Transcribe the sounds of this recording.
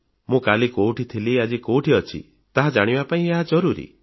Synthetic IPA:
mũkalikowʈit̪ʰiliad͡ʒikowʈʰiɔt͡ʃʰḭ | t̪aɦad͡ʒaɽ̃ibapaĩeɦad͡ʒɔɾuɾḭ

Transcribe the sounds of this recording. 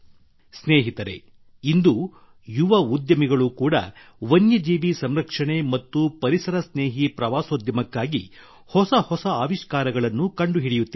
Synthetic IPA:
sneːɦit̪ɐɾe̞̰ | ind̪u | juʋɐud̪jɐmiɡɐɭukuːɽɐ̰ | ʋɐnjɐd͡ʒiːʋisɐmɾɐkʂɐɳe̞mɐt̪ːupɐɾisɐɾɐsneːɦipɾɐʋaːsoːd̪jɐmɐkːaːɡi | hɔsɐhɔsɐaːʋiʂkaːɾɐɡɐɭɐnːukɐɳɖuɦiɽijut̪ːi

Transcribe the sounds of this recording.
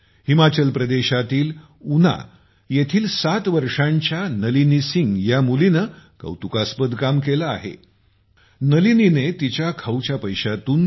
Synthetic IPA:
himat͡ɕəlpɾəd̪eɕat̪iːl | una̰ | jet̪ʰiːlsat̪ʋəɾʂãɲt͡ɕjanəlinisiŋɡjamulinəkə̰wt̪ukaspəd̪kamkelaːɦḛ | nəlininet̪it͡ɕjakʰəwt͡ɕjapəjɕat̪uːn

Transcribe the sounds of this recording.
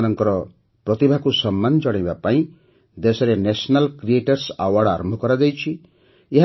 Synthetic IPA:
nɔŋkɔɾɔ | pɾɔt̪ibʱakusɔmːand͡ʒɔɽ̃ajbapaĩ | d̪esɔɾenesnalkɾieʈɔɾsa̰waɽaɾɔmbʱɔkɔɾad͡ʒajt͡ʃʰi | eɦ

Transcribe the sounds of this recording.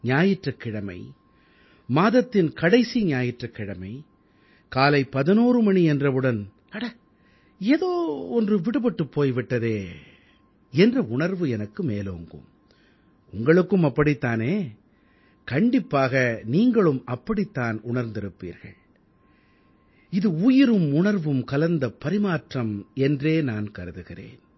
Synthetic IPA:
ɲaːjɪʈrɐkːɪɽɐmɐ̰ɪ | maːðɐt̪ːɪnkɐɽɐɪsiɲaːjɪʈrɐkːɪɽɐmɐɪ | kaːlɐɪpɐðɪnoːɾɯmɐɳiɛndrɐʋɯɽɐn | ɐɽɐ | eːðoːɔndrɯʋɪɽɯpɐʈːɯpːoːjʋɪʈːɐðeː | ɛndrɐʊɳɐɾʋɯɛnɐkːɯmeːlo̰ːŋɡɯ̰m | ʊŋɡɐɭɯkːɯmɐpːɐɽit̪ːaːneː | kɐɳɖɪpːaːɣɐniːŋɡɐɭɯmɐpːɐɽit̪ːaːnʊɳɐɾnd̪ɪɾɯpːḭːɾɣɐ̰ɭ | ɪðɯuːjɪɾɯmʊɳɐɾʋɯmkɐlɐnd̪ɐpːɐɾɪmaːʈrɐmɛndreːnaːnkɐɾɯðɯɣɪrḛːn

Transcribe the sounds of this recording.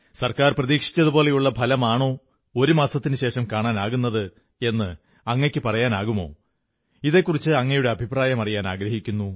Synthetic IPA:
sɐrkaːrprɐðiːkʂi̥t͡ɕʲːɐðubo̞ːle̞juɭːɐpʰɐlɐmaːɳo̞ː | o̞ɾumaːsɐt̪ːinɨɕe̞ːʂɐmkaːɳaːnaːɣunːɐðɨ | e̞nːɨ | ɐŋːekʲːɨpɐrɐjaːnaːɣumo̞̰ː | iðe̞kːurit͡ɕːɨɐŋːɐjuɽe̞ɐbʱipraːjɐmɐrijaːnaːɡɾɐɦikʲːunːu

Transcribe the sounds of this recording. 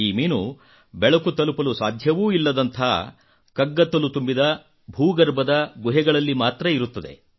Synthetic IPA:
iːmiːnu | bɛɭɐkut̪ɐlupɐlusaːd̪ʱjɐʋuːilːɐd̪ɐnt̪ʰɐ̰ | kɐɡːɐt̪ːɐlut̪umbid̪ɐ | bʱuːɡɐɾbɐd̪ɐɡuɦɛɡɐɭɐlːimaːt̪ɾɐiɾut̪ːɐd̪e̞̰

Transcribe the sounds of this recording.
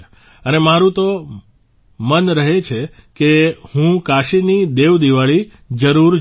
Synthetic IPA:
ənemaɾũt̪o | mənɾəɦet͡ʃʰekehũkaʃinid̪eʋd̪iʋaɭi | d͡ʒəɾuɾ

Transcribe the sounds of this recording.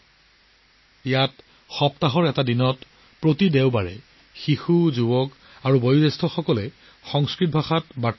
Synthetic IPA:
jat | xɔptaɦɔɹɛtadinɔt | pɹotidɛʊbaɹɛ̰ | xixuzubɔk | aɹubojudɛstʰɔxɔkɔlɛ | xɔŋskɹit̚bʱaxatbat

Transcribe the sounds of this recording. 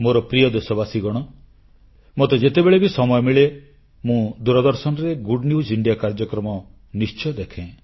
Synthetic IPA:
moɾɔpɾijɔd̪esɔbasiɡɔɽ̃ɔ | mot̪ed͡ʒet̪ebeɭebisɔmɔjɔmiɭe | mũd̪uɾɔd̪ɔɾsɔnɔɾeɡuɖniud͡ʒiɳɖijakaɾd͡ʒɔkɾɔmɔ | nist͡ʃɔd̪ekʰẽ

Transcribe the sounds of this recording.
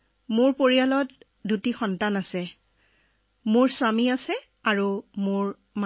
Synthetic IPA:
moɹpoɹialɔt | dutixɔntanasɛ | moɹswamiasɛ | aɹumoɹ | m

